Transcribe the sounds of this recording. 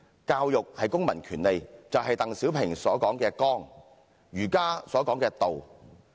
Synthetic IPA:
kaː˧wjʊ˨k̚hɐ˨jkʊ˥ŋmɐ̰˨˩nkʰyː˨˩nle˨jt͡sɐ˨wɦɐ˨jt̪ɐ˨ŋsiː˨˥wpʰɪ˨˩ŋsɔː˨˥kɔː˨˥ŋkɛː˧kɔː˥ŋ | ɥyː˨˩kaː˥sɔː˨˥kɔː˨˥ŋkɛː˧t̪o˨w

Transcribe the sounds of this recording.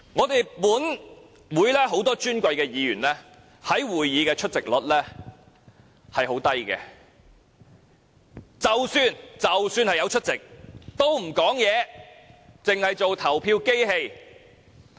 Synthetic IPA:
ŋɔː˨˧t̪e˨jpuː˨˥n | wuː˨˧jlɛː˥ɦo˨˥wt̪ɔː˥t͡ʃyː˥nkʷɐ˧jkɛː˧jiː˨˧ɥyː˨˩nlɛː˥ | hɐ˨˥jwuː˨˩jːiː˨˧kɛː˧t͡ʃʰɵ˥t̚t͡sɪ˨k̚lɔ̰˨˥t̚lɛː˥ | hɐ˨jɦo˨˥wt̪ɐ˥jkɛ̰ː˧ | t͡sɐ˨wsyː˧nt͡sɐ˨wsyː˧nhɐ˨jɐ˨˧wt͡ʃʰɵ˥t̚t͡sɪ˨k̚t̪o˥wm̩˨˩kɔː˨˥ŋjɛː˨˧ | t͡sɪ˨ŋhɐ˨jt͡so˨wt̪ʰɐ˨˩wpʰiː˧wke˥jhe˧j

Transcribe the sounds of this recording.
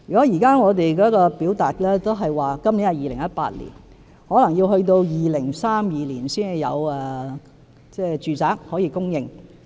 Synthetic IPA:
jyː˨kɔ˨˥ji˨˩kaː˥ŋɔː˨˧t̪e˨jkɔː˨˥kɔː˧pi˨˥wt̪aː˨t̚lɛː˥t̪o˥wɦɐ˨jwaː˨kɐ˥mliː˨˥nɐ˨˧jiː˨˧lɪ˨˩ŋjɐ˥t̚pa̰ː˧t̚lḭ˨˩n | hɔː˨˥lɐ˨˩ŋjiː˧wɦɵ˧ɥt̪̬o˧wjiː˨lɪ˨˩ŋsaː˥mjiː˨˧liː˨˩nsiː˥njɐ̰˨˧wɛ˨ | t͡sɛː˥˩t͡ʃyː˨˧t͡saː˨˥k̚hɔː˨˥jiː˧kʊ˥ŋjɪ˨ŋ

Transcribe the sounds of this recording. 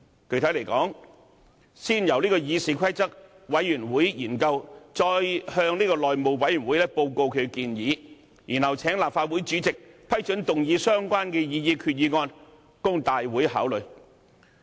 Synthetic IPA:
kʰɵ˧jt̪ʰɐ˨˥jle˨˩jkɔ̰ː˨˥ŋ | siː˥njɐ˨˩wliː˥kɔː˧jiː˨˧siː˨˧kʰɐ˥jt͡sɐ˥k̚ | wɐ˨˥jyː˨˩nwuː˨˥jjiː˨˩nkɐ˧wt͡ʃɔː˧jhœː˧ŋliː˥kɔː˧lɔː˨jmo˨˩wwɐ˨˥jyː˨˩nwuː˨˥jlɛ˥po˧wko˧wkʰɵ˨˧ɥkiː˧njiː˨˧ | jiː˨˩nhɐ˨wt͡sʰɛː˨˥ŋlaː˨p̚faː˧t̚wuː˨˥jt͡ʃyː˨˥t͡sɪ˨k̚pʰɐ˥jt͡ʃɵ˨˥nt̪ʊ˨ŋjiː˨˧sœː˥ŋkʷaː˥nkɛː˧jiː˧jiː˧kʰyː˧t̚jiː˨˧ŋɔː˧n | kʊ˥ŋt̪aː˨jwuː˨˥jha̰ː˨˥wlɵ˨˧ɥ

